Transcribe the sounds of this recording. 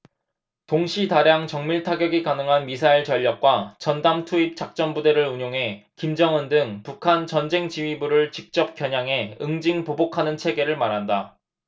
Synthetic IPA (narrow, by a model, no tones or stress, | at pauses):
toŋɕʰitaɾjaŋt͡ɕʌŋmiɭtʰaɡjʌɡikanɯŋɦanmisʰaiɭt͡ɕʌʎːʌk̚k͈wat͡ɕʌndamtʰuip̚t͡ɕ͈ak̚t͡ɕ͈ʌnbudeɾɯɭuɲoŋɦe̞ | kimd͡ʑʌŋɯndɯŋpukʰant͡ɕʌnd͡ʑe̞ŋt͡ɕiɥibuɾɯɭt͡ɕik̚t͡ɕ͈ʌp̚k͈jʌɲaŋɦe̞ɯŋd͡ʑiŋpobokʰanɯnt͡ɕʰe̞ɡe̞ɾɯɭmaɾɦanda